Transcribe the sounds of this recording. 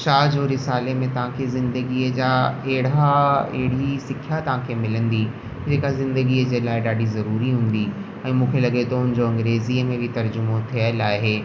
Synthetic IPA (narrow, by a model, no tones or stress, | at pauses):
ʃaːd͡ʑoːɾɪsaːlemẽt̪ɐʋ̤ãkʰezɪ̃nd̪əɡiəd͡ʑaːeɦɪɽ̤aḛɦɪɽ̤isɪkʰjat̪ɐʋ̤ãkʰeːmɪlə̃nd̪i | d͡ʑeːkazɪ̃nd̪əɡiəd͡ʑeːlaːɪɗaːɖizɐɾuːɾiɦũːn̆d̪i | ɛ̃ːmũːkʰelɐɠet̪ɐɦʊnɪ̆d͡ʑoɐ̃ŋɡɾeːziəmẽbɪt̪ɐɾd͡ʑʊmot̪ʰijəlaːɦeː